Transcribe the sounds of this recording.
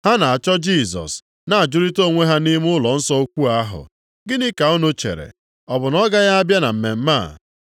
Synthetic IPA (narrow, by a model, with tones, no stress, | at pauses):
ha˦na˨a˨t͡ʃɔ˦d͡ʒi˦˨sɔ̰˨s | na˨a˨d͡ʒʊ˦ɾi˦to˦˨ŋʷe˦ɦa˦ni˦m˦ʊ˦lɔ˨n̩˦sɔ˦o˦kʷu˦a˦ɦʊ̰˨ | ɡɪ˦nɪ˦ka˨o˦nʊ˦t͡ʃḛ˨ɾḛ˨ | ɔ˨bʊ˨nɔ˦ɡa˦ja˦a˦bja˦na̰˨m̩˨me˨m̩˦ma˦˨